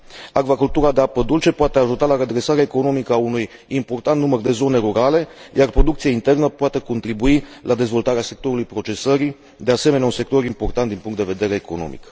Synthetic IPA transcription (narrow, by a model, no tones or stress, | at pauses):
aɡvakult̪uɾad̪e̞apəd̪ult͡ʃe̞poat̪eaʒut̪alaɾe̞d̪ɾe̞saɾeaeko̞no̞mikəaunuj | impo̞rt̪ant̪numərd̪e̞zo̞ne̞ɾuɾale̞jarpɾo̞d̪ukt̪siaint̪e̞rnəpoat̪e̞ko̞nt̪ɾibuilʔad̪e̞zvo̞lt̪aɾease̞k̚t̪o̞ɾulujpɾo̞t͡ʃe̞səɾi | d̪e̞ase̞meneaunse̞k̚t̪o̞ɾimpo̞rt̪ant̪d̪inpuŋk̪t̪d̪eve̞d̪e̞ɾe̞ːko̞̰no̰mḭk